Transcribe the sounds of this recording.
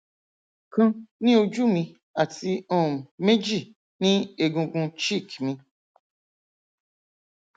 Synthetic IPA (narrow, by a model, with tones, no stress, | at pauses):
kʊ̃˦nĩ˦o˨d͡ʒu˦mĩ˧ | a˨ti˦ɔ˦˨m̩˨me˦d͡ʒi˦˨ | nĩ˦e˨ɡũ˧ɡũ˧t͡ʃi˦˨kmĩ˧